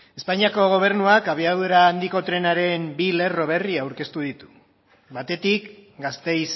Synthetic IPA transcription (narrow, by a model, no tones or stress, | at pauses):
e̞spaɲiako̞ɣ̞o̞β̞e̞ɾnuakaβ̞iaðeɾaːnd̪iko̞t̪ɾe̞naɾe̞mbile̞ro̞βe̞riaawɾke̞st̪uð̞it̪u̥ | βat̪e̞t̪ikɡast̪e̞js